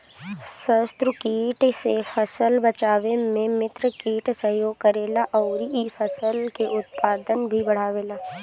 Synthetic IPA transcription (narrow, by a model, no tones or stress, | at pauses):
səst̪ɾəkiːʈsefʰəsəlbət͡ʃaːʋemẽmɪt̪ɾəkiːʈsɐɦjoːɡ̚kɐɾeːlaʔɔːɾiifʰəsəlkeʔʊt̪̚paːd̪ənbʱibɐɽ̤aːʋeːlaː